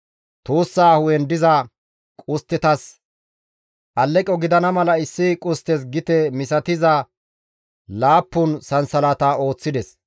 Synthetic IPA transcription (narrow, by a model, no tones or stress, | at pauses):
t̪uːsːaːhʊwɛnd̪ɪzɐ | kʼʊst̪ːɛt̪ɐs | ʔɐlːɛkʼːɔɡɪd̪ɐnɐmɐlɐɪsːɪkʼʊst̪ɛs̬ɡɪt̪ɛmɪsɐt̪ɪzɐ | laːpːʊnsɐnsɐlat̪ao̞ːt͡sːɪd̪ɛs